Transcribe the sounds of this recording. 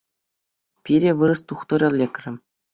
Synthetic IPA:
pʲiɾʲĕʋɯɾɤ̆st̪uχt̪ŏɾʲɤ̆lʲekʲrʲɘ̆

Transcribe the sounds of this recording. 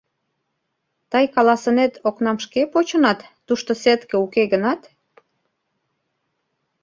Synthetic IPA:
t̪ɑjkɑlɑsənet̪ʰoknɑmʃkepot͡ɕə̆nɑt̪ːuʃt̪oset̪kĕukeɡənɑt̪

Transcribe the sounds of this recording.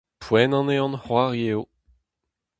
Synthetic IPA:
pwɛnɑ̃neɑ̃nhwaʁjeo

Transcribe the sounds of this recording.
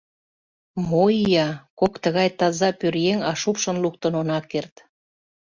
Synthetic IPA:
moijɑkokt̪əɣɑjt̪ɑzɑpørjeŋɑʃupʃə̆nluk̚t̪ə̆nonɑkːert̪

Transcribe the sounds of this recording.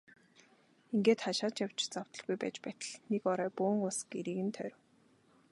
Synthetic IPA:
iŋɡeːt̪χaʃaːt͡ɕjaw̥t͡ɕt͡saw̥t̪ɞ̆ɮɣujpæ̰ːt͡ɕpæːt̪ə̆ɮnekɔɾœːpʊːŋʊɮsɡeɾiːɣɘ̆nt̪ʰœːɾʲw

